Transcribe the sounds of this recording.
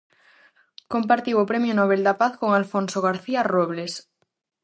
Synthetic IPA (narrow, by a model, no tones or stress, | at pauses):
kompaɾt̪iwopɾemjonoβ̞eld̪apaθkoŋalfonsoɣ̞aɾθiaroβles